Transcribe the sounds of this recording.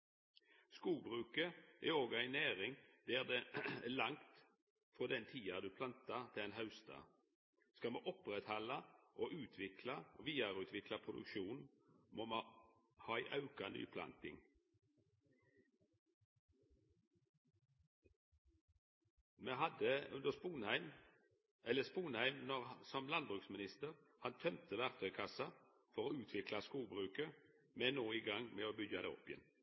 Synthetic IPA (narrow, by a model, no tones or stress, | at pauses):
skuːɡ̚bʁʉːkəʔḛːoːɡæɪnæːʁɪŋd̪̥eːʁd̪eːlɑŋt̪ | fod̪ɛnt̪ʰiːɑd̪ʉːpʰlɑnt̪ɑt̪ʰɪeːnhɑʉst̪ɑ̰ː | skɑmḛːʔɔpʁɛt̪hɑlɑʔoːʔʉːt̪ʰʋɪkʰlɑʋiːəʁʉːt̪ʰʋɪkʰlɑpʰʁʊd̪ʉ̰kʃuːnn | moːmː | hɑːæɪʔɑʉkɑny̰ːpʰlɑ̰nt̪ɪ̰ŋ | meːɦɑd̪əʉnd̪əspuːnhæɪm | ɛləspuːnhæɪmnɔʁsɔmlɑnbʁʉːksmɪnɪst̪əʁ | hɑnt̪ʰœmt̪ʰəʋæʁt̪ʰœʏkʰɑsɑ | fɔʁoːʉːt̪ʰʋɪklɑskuːbʁʉːkə | menoːiːɡɑŋmeːoːbʏɡɑd̪ḛːɔ̰pːɪjɛ̰n